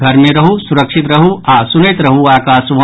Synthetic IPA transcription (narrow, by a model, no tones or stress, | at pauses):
ɡʱɐɾmẽɾɐɦusuɾɐkʃɪt̪ɾɐɦuʔaːsʊnet̪ɾɐɦuaːkaːsʋ